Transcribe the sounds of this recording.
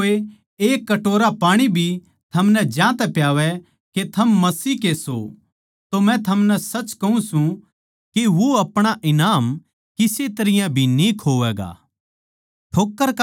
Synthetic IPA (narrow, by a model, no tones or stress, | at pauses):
e | eːkːɐʈoːɾapaːɽ̃ibʱi | t̪ʰɐmnɛd͡ʒjãːt̪ɛpjaːʋɛ | ket̪ʰɐmːɐsiːkeso̰ | t̪omɛ̃t̪ʰɐmnɛsɐt͡ʃkɐũsũ | keʋoɐpɽ̃aʔɪnaːm | kɪset̪ɐɾɪjãbʱinikʰoːʋɛːɡa̰ː | ʈʰoːkːəɾk